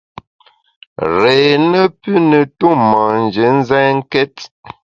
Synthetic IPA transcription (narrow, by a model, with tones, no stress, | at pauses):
ɾe˨nə˦pʉ˦nə˨tu˦˨ma˨n̩˨d͡ʒə˨˦n̩˦zɛ˦ŋ̩˦kɛ˦t